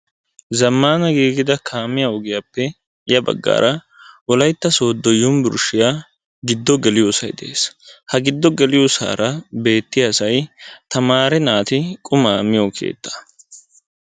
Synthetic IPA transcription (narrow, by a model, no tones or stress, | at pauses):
zɐmːaːnɐɡiːɡɪd̪ɐkʰaːmɪjaʊɡɪjapːɛ | ɪjɐbɐ̰ɡːa̰ːɾɐ | wɔlɐjt̪ːɐso̞ːd̪ːɔjːʊmbʊɾʃɪjaː | ɡɪd̪ːɔɡɛlɪjosɐjd̪ɛʔeːshɐɡɪd̪ːɔɡɛlɪjosa̰ːɾɐbe̞ːt̪ːɪjɐsɐjt̪ɐmaːɾɛnaːt̪ɪkʼʊmaːmɪjokʰḛːt̪ːɐ̥